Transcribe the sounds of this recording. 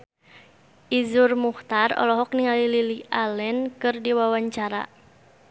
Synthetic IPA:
ʔizurmuht̪arɔ̰lɔɦɔkniŋalililiʔalɛnkɨrdiwawaɲt͡ʃaɾa̰

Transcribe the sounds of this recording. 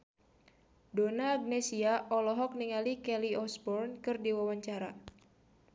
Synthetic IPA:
donaːɡ̚nɛsiaʔɔlɔɦɔk̚niŋalikɛliɔsbɔrnkɨrdiwawaɲt͡ʃaɾa

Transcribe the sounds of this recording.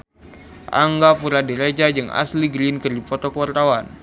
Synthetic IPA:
ʔa̰ŋɡapuɾadiɾad͡ʒad͡ʒɨŋa̰sliɡɾinkərdipɔt̪ɔkuwart̪awan

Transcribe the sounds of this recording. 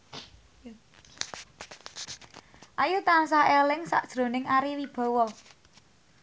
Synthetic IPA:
ʔajut̪ansaɛlɪŋsa̰ʔd̥ʒ̥ɾo̤nɪŋaɾiwib̥ɔ̤wɔ

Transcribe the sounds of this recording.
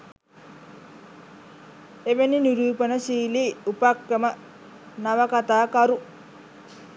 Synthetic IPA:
eʋeniniɾuːpənəsiːliːupakɾəmə | naʋɐkat̪aːkaɾu

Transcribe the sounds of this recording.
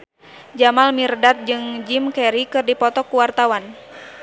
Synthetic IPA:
d͡ʒamalmirdat̪̚d͡ʒɨŋd͡ʒimkɛɾikɨrdipɔt̪ɔkuwart̪awan

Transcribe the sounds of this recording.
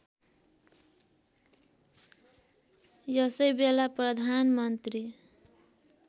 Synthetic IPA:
jʌsʌjbelaprʌd̪ʱanmʌnt̪ɾi

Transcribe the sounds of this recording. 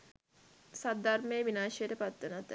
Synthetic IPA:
sad̪armeːʋinaːʃejəʈəpat̪ːənat̪ː

